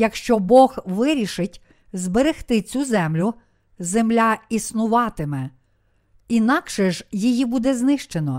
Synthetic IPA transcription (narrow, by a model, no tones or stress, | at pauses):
jɐkʃt͡ʃɔbɔɣʋɪɾʲiʃɪtʲ | zbeɾext̪ɪt͡sʲuzɛmlʲʊ | zemlʲaisnʊʋɑt̪ɪmɛ | inɑkʃɛʒjijibud̪ɛznɪʃt͡ʃenɔ